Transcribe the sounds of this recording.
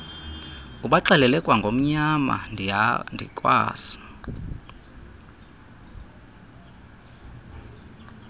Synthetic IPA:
uɓaǃalɛlɛkʼwaŋɡʱom̩ɲama̰ndʱindʱḭkʼwa̰ːsi̥

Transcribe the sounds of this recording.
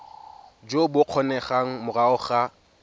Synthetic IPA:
d͡ʒobʊq͡χʰɔnɛχaŋ̩mʊraʊχa

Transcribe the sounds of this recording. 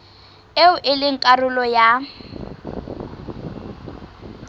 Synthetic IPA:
eʊʔɪlɪŋ̩kʼarʊlɔja

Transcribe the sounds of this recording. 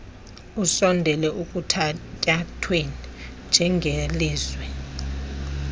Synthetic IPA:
usɔndʱɛlɛʔuk̬ʼutʰatʼatʰwenind͡ʒʱɛŋʱeliːzwɛ

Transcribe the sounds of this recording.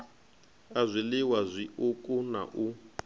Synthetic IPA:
azʷilɪwazʷiʔukʼuna̰ʔu

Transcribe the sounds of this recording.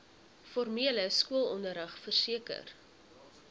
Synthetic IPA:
fɔrmiələskuəlˠɔndəɾəχfərsiəkə̰r

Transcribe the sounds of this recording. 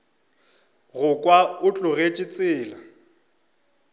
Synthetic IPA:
ɣʊkʼwaʊt͡ɬʼʊɣet͡ʃʼɪt͡sʼɪːla

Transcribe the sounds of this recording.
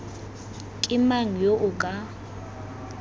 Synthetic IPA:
kʼɪmaŋ̩joʔʊkʼa

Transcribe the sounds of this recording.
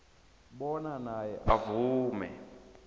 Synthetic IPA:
ɓɔnanajɛʔavuːmɛ

